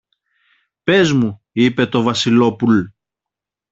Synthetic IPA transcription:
pe̞zmu | ipe̞t̪o̞vɐsilo̞pul

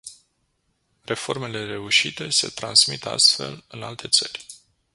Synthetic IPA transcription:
re̞fo̞rme̞le̞re̞uʃit̪e̞se̞̰t̪ɾansmit̪a̰st̪fe̞̰lɨnalt̪ʰe̞t̪sərʲ

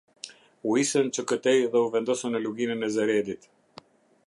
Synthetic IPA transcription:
uisənt͡ʃəkət̪ɛjðɛuvɛnd̪ɔsənːəluɡinənɛzɛɾɛd̪it̪

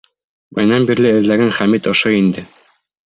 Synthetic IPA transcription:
bæ̰̆jnɑmbiɾlɘɘ̆ðlæɡænχæmit̪ŏʃoind̪ɘ

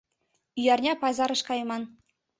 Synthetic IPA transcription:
yjɑrnʲɑpɑzɑɾɤ̆ʃkɑjmɑn

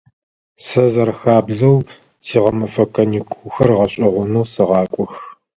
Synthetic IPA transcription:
sɐzɐrxaːbɮɐw | siːʁɐmɐfɐkʰɐniːkʷʰuːxɐrʁɐɕʼɐʁʷʊnɐwsɨʁɑːkʷʼɔx

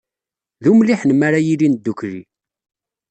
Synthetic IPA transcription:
ðumliħnmaɾajilind̪ːukɾi

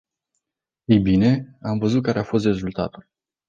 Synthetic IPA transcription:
ejbine̞amvəzut̪̚kaɾe̞afo̞s̬t̪re̞zult̪a̰t̪ul

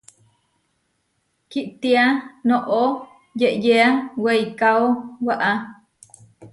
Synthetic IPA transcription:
kiʔt̪ianoʔo | jeʔjeawejkaowaʔa

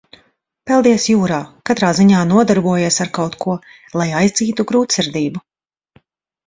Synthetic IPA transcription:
pɛlˠd̪iɛsjuːɾaːkat̪ɾaːziɲaːnuɔd̪aɾbuɔjiɛsaɾkawt̪kuɔ | lˠajajzd̪ziːt̪uɡɾuːt̪siɾd̪iːbu

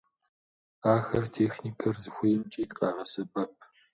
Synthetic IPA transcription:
aːxɐrtʰeːxniːkʰɐrzɨxʷʊjɛmt͡ʃʼiːt̪ʼqʼaːʁɐsɨbɐp̚ʰʼ

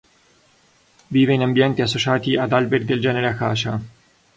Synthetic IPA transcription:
viːveinambjɛnt̪iasːot͡ʃaːt̪iad̪albeɾid̪eld͡ʒɛːneɾeakːaːt͡ʃa

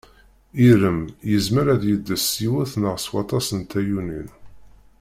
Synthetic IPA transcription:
iɾəmjəzməɾæðjəd̪ːəsːiwæθnəʁswɑt̪ˤɑsənt̪æjunin

